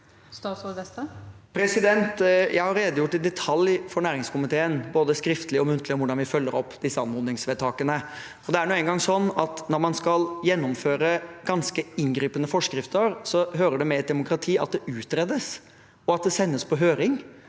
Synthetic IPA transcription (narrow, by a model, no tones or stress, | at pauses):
st̪ɑːsɔɛst̪pʰɾɛsɪd̪ɛnt̪jæɪhɑɾeːd̪əjʊʈːɪd̪ɛt̪ʰɑljfɔɾɳæːɾɪŋskʊmɪt̪ʰeːənboːd̪əskɾɪft̪əlɪɔmʉnt̪ʰlɪɔʋʊɖɑnʋɪfœlːəɾɔpːd̪ɪsːəɑnmʊd̪nɪŋsʋɛːd̪̚t̪ʰɑːkənə | ɔd̪ɛæɾɳuːɛŋɡɑŋsɔnːɑt̪nɔɾmɑnskɑljɛnːɔmføːɾəɡ̥ɑnskəɪnɡɾiːpənəfɔʂkɾɪft̪əɾsɔɦøːɾəɖɛmɛt̪̚d̪ɛmʊkɾɑt̪ʰiːɑ̰t̪̚d̪ɛʔʉːt̪ɾɛd̪əs | ɔɑt̪̚d̪ɛsɛnːəspʰɔɦøːɾɪŋ